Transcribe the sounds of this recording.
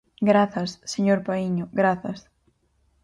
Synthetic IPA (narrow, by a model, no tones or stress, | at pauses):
ɡɾaθɐsːeɲoɾpaiɲʊɡɾaθɐs